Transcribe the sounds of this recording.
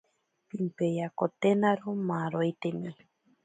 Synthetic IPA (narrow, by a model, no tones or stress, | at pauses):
pimpejakot̪enaɾomaɾojt̪enõj